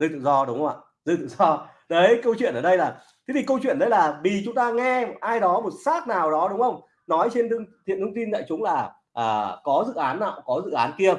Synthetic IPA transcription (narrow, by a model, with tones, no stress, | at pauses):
zɨ˧t̪ɨ̰˧˨zɔ˧ɗʊ˨˦wŋ͡maː˧˨˩ | zɨ˧t̪ɨ̰˧˨zɔ˧ | ɗə˨˦jkə˧wt͡ɕwḭ˧˨ənʔəː˨˩ɗə˧jlaː˨˩ | t̪ʰi˨˦t̪ʰi˨˩kə˧wt͡ɕwḭ˧˨ənɗə˨˧˦jlaː˨˩vi˨˩t͡ɕʊ˨˦ŋ͡mt̪aː˧ŋɛ˧ʔaː˧jɗɔ˨˦mo˨˩t̚saː˦˥k̚naː˨˩wɗɔ˨˦ɗʊ˨˦ŋ͡mxə˧wŋ͡m | nɔ˨˦jt͡ɕe˧n˧əŋt̪ʰḭ˧˨nt̪ɨ˧ŋ͡mt̪i˧nza̰ː˧˨jt͡ɕʊ˨˦ŋ͡mlaː˨˩ | ʔəː˨˩kɔ˨˦zɨ̰˧˨ʔaː˨˦nːa̰ː˧˨wkɔ˨˦zɨ̰˧˨ʔaː˨˦nki˧ə